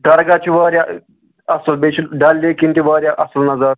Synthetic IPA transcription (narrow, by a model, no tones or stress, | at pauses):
d̪ɐɾɡat͡ɕiʋaːɾʲja | ɐsəlbeɕilɖalːikint̪iʋaːɾʲjaʔɐslnɐzaɾ